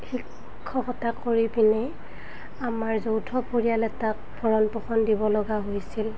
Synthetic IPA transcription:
xikʰː | ɔxɔtakʰːoɹipinej | amaɹzowtʰɔpoɹijalɛtak̚ | pʰɔɹɔnpɔxɔndibɔlɔɡaɦojsil

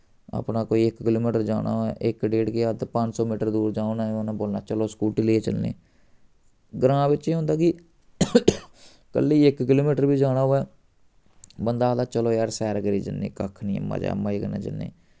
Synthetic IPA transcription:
a̰pnaːkoːiːɪkkɪloːmiːʈəɾd͡ʒa̰ːɽ̃a̰ːoɛ̰ːʔɪkɖeːʈkeːat̪pəɲd͡ʒsɔːmiːʈəɾd̪uːɾd͡ʒãːonaːonãːboːlna̰ːt͡ʃəloːskuːʈiːleeːt͡ʃəlnḛː | ɡɾãːbɪt͡ʃeːɦõnd̪aːki | kə̰lːiːɪkkɪloːmiːʈəɾbiːd͡ʒaːɽ̃aːɦoːɛː | bənd̪aːd̪aːt͡ʃəloːjaːɾsɛːɾɡɾiːd͡ʒə̰nːḛːkəkʰnĩːə̰mːa̰ːd͡ʒa̰ːmːãːikənḛːd͡ʒə̰lːḛ̃ː

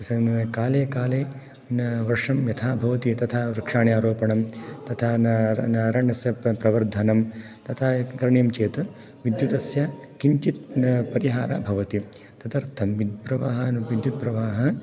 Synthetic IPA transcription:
kaːleːkaːleː | ʋɐɾʂɐmjɐt̪ʰaːbʱɐʋɐt̪it̪ɐt̪ʰaːɾɐkʂaːɳjaːɾoːpɐɳɐmt̪ɐt̪ʰaːnnaːɾaɳːɐsjɐpɾɐʋɐɾd̪ʱɐnɐm | t̪ɐt̪ʰaːkɐɾɐɳjɐmt͡ʃeːt̪ɐ | ʋid̪jut̪ɐsjɐkiɲt͡ʃit̪̚pɐɾiɦaːɾa̰ːbʱɐʋɐt̪i | t̪ɐt̪ɐɾt̪ʰɐmʋid̪̚bɾɐʋa̰ːɦɐʋid̪jut̪̚pɾɐʋaːɦɐ

